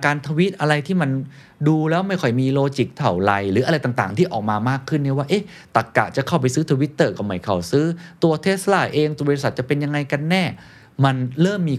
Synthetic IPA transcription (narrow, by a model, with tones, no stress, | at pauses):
kaː˧nt̪ʰa˧wi˦˥t̪̚ʔa˧ɾa˧jt̪ʰiː˥˩ma˧n | duː˧lɛː˦˥wma˥˩jkʰɔ˨˩jmiː˧loː˧t͡ɕi˨˦˩k̚t̪ʰa˨˩wla˧jɾɯː˩˦ʔɾa˧jt̪aː˨˩ŋt̪aː˨˩ŋt̪ʰiː˥˩ʔɔ̰ː˨˩k̚maː˧maː˥˩kʰːɯ˥˩nːi˧˥˩waː˥˩ʔe˦˥˩ | t̪a˨˩kːa̰˨˩ʔt͡ɕa˨˩kʰa˥˩wpa˧jsɯː˦˥t̪ʰa˧wi˦˥t̪ːɤː˧˩ka˨˩ma˨˩jkʰa˨˩wsɯː˦˥t̪u˧ɐt̪ʰe˦˥t̪̚salaː˧˩ʔeː˧ŋt̪u˧sa˨˩t̪̚t͡ɕa˨˩pe˧nja˧ŋa˧jka˧nːɛː˥˩ | ma˧nɾɤː˥˩mːiː˧